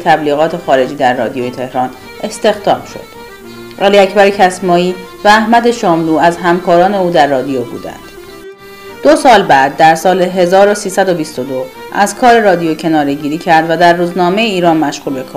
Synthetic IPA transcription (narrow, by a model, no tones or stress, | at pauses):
t̪ʰæbliːɣɒːt̪ʰe̞xɒːɾe̞d͡ʒiːd̪æɾːɒ̰ːd̪ijojet̪ʰe̞hɾɒːn | ʔe̞st̪e̞xd̪ɒ̰ːmʃo̞̰d̪̥ | ʔæliːæcbæɾecʰæsmɒːiːvæːhmæd̪e̞ʃɒːmluːæzɦæmkʰɒːɾɒːne̞uːd̪æɾːɒːd̪ijobṵːd̪æ̰nd̪̥ | d̪̥osɒːlbæːd̪̚ːæɾsɒːleɦe̞zɒːɾosiːsæd̪obist̪od̪o | ʔæzkʰɒːɾe̞ɾɒːd̪ijocʰe̞nɒːɾe̞ɟiːɾiːcʰæɾd̪væd̪æɾːuːznɒːme̞jeiːɾɒːnmæʃɣuːlbe̞kʰɒːɾ